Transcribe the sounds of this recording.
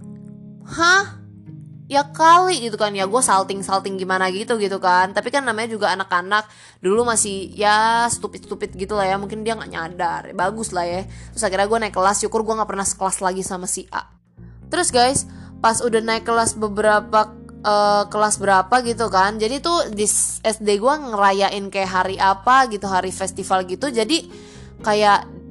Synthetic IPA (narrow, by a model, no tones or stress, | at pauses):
hah | jakaliɡit̪ukanjaɡuasalt̪ɪŋsalt̪ɪŋɡimanaɡit̪uɡit̪ukant̪apikanːamaɲad͡ʒuɡaːnakanak̚ | dulumasɪhjast̪upɪt̪st̪upɪt̪̚ɡit̪ulahjamuŋkɪndiaŋɡa̰ʔɲa̰dar̰baɡʊslahjat̪ɾʊsakiɾaɡuanaɪikːəlast͡ʃukʊrɡuaŋɡaʔpərnahsə̥kəlaslaɡisamasiʔa̰ʔ | t̪əɾʊsɡajspasudahnaɪkːəlasbəbəɾapaəkəlasbəɾapaɡit̪ukand͡ʒadit̪udisɛsdeɡuaŋəɾajaʔɪnkajaʔɦaɾiʔapaɡit̪uɦaɾifɛst̪ifalɡit̪ud͡ʒadi | kajaʔ